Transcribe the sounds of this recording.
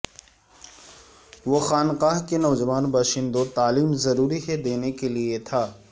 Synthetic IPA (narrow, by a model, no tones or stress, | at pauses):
ʋoxaːnqaːɦkenɔːd͡ʒəʋaːnbaːʃɪ̃nd̪ot̪aːliːmzɐɾuːɾiɦed̪eːnekeliet̪ʰaː